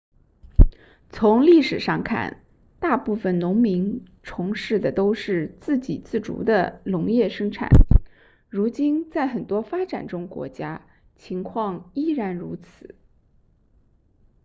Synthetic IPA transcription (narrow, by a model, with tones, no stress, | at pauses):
t͡sʰʊ˧˥ŋli˥˩ʂɻ̩˨˩ʂɑ˥˧ŋkʰa̰˥˩n | t̪a˥˧pu˥˩fə˩nnʊ˧˥ŋmi˧˥n | ʈ͡ʂʰʊ˧˥ŋʂɻ̩˥˩d̪ə˩t̪o˥ʊʂɻ̩˥˧t͡sɹ̩˥˩t͡ɕi˨˩t͡sɹ̩˥˩ʈ͡ʂṵ˧˥d̪ə˧lʊ˧˥ŋjɛ˥˩ʂɤ˥ŋʈ͡ʂʰa̰˨˩˦n | ɻu˧˥t͡ɕi˥nt͡sa˥˩ɪxə˨˩nt̪wɔ˥fa˥ʈ͡ʂa̰˨˩nʈ͡ʂʊ˥ŋkwɔ̰˧˥t͡ɕja˥ | t͡ɕʰi˧˥ŋkʰwɑ˥˧ŋi˥ɻa˧˥nɻu˧˥t͡sʰɹ̩˨˩˦